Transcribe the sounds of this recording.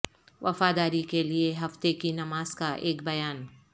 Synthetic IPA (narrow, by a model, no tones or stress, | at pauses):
ʋʔɐ̰faːd̪aːɾikelieɦɐft̪ekinɐmaːz̥kaʔeːkbɐjaːn